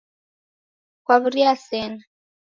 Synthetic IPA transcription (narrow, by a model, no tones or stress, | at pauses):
kwaβuɾiasɛna